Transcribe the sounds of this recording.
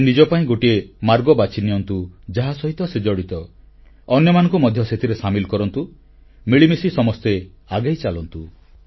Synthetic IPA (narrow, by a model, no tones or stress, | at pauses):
nid͡ʒɔpaĩɡoʈiemaɾɡɔbat͡ʃʰinijɔnt̪ud͡ʒaɦasɔɦit̪ɔsed͡ʒɔɽit̪ɔ | ɔnjɔmanɔ̃ŋkumɔd̪ʱjɔset̪ʰiɾesamilkɔɾɔnt̪u | miɭimisisɔmɔst̪e | aɡajt͡ʃalɔnt̪u